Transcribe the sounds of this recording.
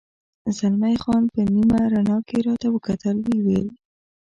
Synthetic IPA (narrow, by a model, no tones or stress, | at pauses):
zalmajxɑnpənimaɾanɑkeɾɑt̪awəkat̪əlwewel